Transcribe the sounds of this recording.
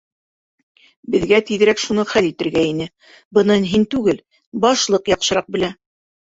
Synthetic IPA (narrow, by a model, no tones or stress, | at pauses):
bɘ̆ðɡæt̪iðɘ̆ɾækʃunɤχælit̪ɘ̆ɾɡæinɘ | bɤ̆nɤnɦint̪ʉɡɘl | bɑʃlˠɤqjɑqʃɤ̆ɾɑq̚bɘ̆læ